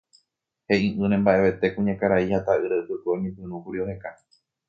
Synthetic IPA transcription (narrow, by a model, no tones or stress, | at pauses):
he̞ĩʔɨ̃nẽmbaʔe̞ʋe̞t̪e̞kũɲãkaɾaihat̪aʔɨɾaɨpɨkoemĩpɨ̃ɾũkuɾiohe̞ka